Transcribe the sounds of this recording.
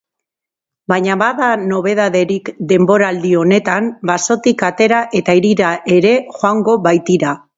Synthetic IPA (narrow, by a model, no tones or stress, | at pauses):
bajɲaβaðano̞β̞e̞ð̞aðe̞ɾikd̪e̞mbo̞ɾaːld̪io̞ne̞t̪ambaso̞t̪ikat̪e̞ɾaʔe̞t̪aiɾiɾaʔe̞ɾe̞xoaŋɡo̞βajt̪iɾa